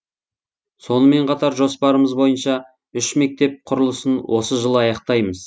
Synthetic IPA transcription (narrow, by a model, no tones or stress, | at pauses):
so̞nəme̞ɴqʰɑt̪ɑɾʒo̞spɑɾəməzbo̞jənʃɑ | ʏʃme̞k̚t̪e̞p̚qʰʊɾəlˠəsənwʔo̞səʒəlˠəɑjɑq̚t̪ɑjməz